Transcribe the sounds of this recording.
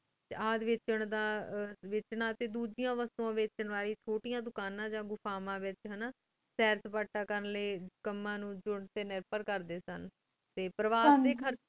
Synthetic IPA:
aːd̪ʋɪt͡ʃəɳd̪aːʋɪt͡ʃɳãːt̪eːd̪uːd͡ʒijãːʋəst̪õãːʋɪt͡ʃəɳʋaːliːt͡ʃʰoːʈijãːd̪ʊkaːnãːd͡ʒãːɡʊpʰaːmãːʋɪt͡ʃɦənaː | sɛːɾsəpaːʈːaːkəɾənleːkəmːãːnũːd͡ʒʊɳt̪eːnɪɾpəɾkəɾd̪eːsən | t̪eːpɾəʋaːd̪eːkʰəɾ

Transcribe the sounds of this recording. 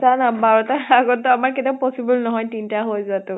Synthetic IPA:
sanabaɹɔtaaɡɔtːɔamaɹketiaʊpɔsibulnɔɦɔjtintaɦojzatʊ

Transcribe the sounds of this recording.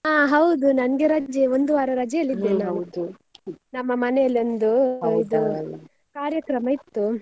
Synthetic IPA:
aːɦɐwd̪unɐnɐɡeɾɐd͡ʒeond̪uʋaːɾɐɾɐd͡ʒejɐlːid̪ːenaːu | nɐmːɐmɐnelond̪uid̪u | kaːɾjɐkɾɐmɐit̪ːu

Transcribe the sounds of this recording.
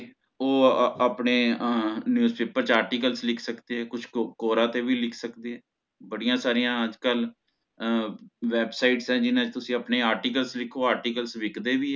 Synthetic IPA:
oːapneːnjuːzpeːpəɾt͡ʃaːɾʈiːkəlslɪkʰsəkd̪eːɦɛːkʊt͡ʃʰkoːɾãːt̪eːʋiːlɪkʰsəkd̪eːɦɛː | bəɽijãːsaːɾijãːəd͡ʒkəl | ʋɛːbsaːiʈsɛ̃ːd͡ʒɪnãːt͡ʃt̪ʊsĩːəpneːaːɾʈiːkəlslɪkʰːoːaːɾʈiːkəlsʋɪkd̪eːʋiːɛː

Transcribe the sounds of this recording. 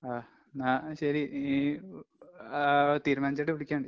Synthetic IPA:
aː | naːɕɐɾi | t̪iːɾumaːnit͡ɕːɐʈːɨʋiɽikʲːaːɳɖɨ

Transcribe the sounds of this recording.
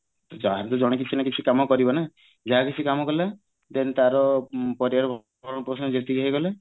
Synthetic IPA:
t̪d͡ʒɔɦaɾt̪ud͡ʒɔɽ̃ek̬it͡ʃʰinakit͡ʃʰikamɔkɔɾibɔna | d͡ʒaɦakit͡ʃʰikamɔkɔla | t̪ent̪aɾɔpɔɾiaɾɔbʱ | ɾɔ̃ɽ̃ɔpɾɔsnɔd͡ʒet̪iɡaɦeɡɔla

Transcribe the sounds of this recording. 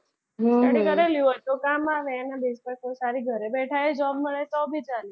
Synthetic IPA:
ɦəɽikəɾeljuət̪okamaʋeːnabid͡ʒpɛkʰosaɾiɡʱəɾebɛʈʰaed͡ʒɔbməɭet̪ɔbʱit͡ʃali

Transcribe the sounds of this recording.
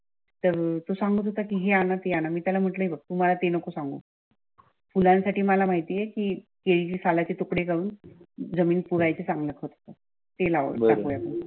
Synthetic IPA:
t̪əɾt̪osaŋɡot̪ɦot̪akiɦeanat̪eanamiːt̪jalam̤əʈləɦibək̚t̪uːmalat̪enəkosaŋɡo̰ː | fulãnsaʈiːmalamaɦit̪ijekiːkeɭit͡ɕiːsalat͡ɕet̪okɽekaɭuːnd͡zəmiːnpuɾajt͡sesãŋɡlək̪ɦot̪ɦo̥t̪a | t̪elaʋə̰b̪akojapən

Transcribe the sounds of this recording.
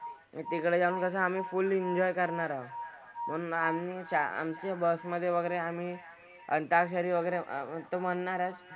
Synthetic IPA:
t̪ikɭed͡zaɽuːnt̪əs̬aamiːfuliɲd͡ʑɔjkəɾɳaɾaʋ | mənamnit͡ɕaa̰mt͡ɕabəsməd̪ʱːjeʋəɡəɾeamiː | ə̰nt̪akɕ̬əɾiːʋəɡəjɾet̪oməɳːaɾat͡s

